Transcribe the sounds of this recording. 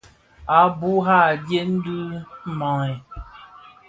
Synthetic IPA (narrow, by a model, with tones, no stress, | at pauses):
a˨bu˦ɦa˦˨dje˦n̩˦du˦mɔ˨ŋɛ˨